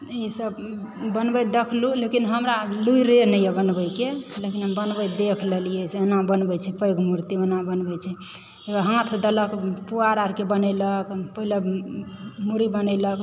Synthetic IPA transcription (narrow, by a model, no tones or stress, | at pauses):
isəb | bənbɛd̪ekʰlulekinɦəmɾaluiɾenəjɛbənbəjkelekinɦəmbənbəd̪ekʰlelijɛseenabənbɛt͡ʃʰɛpəjɡmuɾt̪ionabənbɛt͡ʃʰɛ | eaɦãt̪ʰd̪ələkpuaɾaɾkebənɛləkpəɦile | muɾibənɛlək